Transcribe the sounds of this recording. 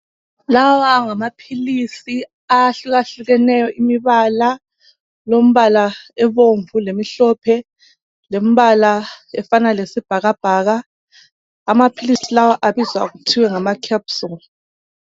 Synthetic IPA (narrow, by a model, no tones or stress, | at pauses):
lawwaŋamapʰilisi | aɬuɣaɬuɣɛnɛjɔʔimiβala | lom̩βalaɛβoɱvulemiɬɔpʰɛ | lemiβalaɛfanalesib̥ʱaɣab̥ʱaɣaː | mapʰilisilawaʔaβizwaɣutʰiwɛŋamakʰapsul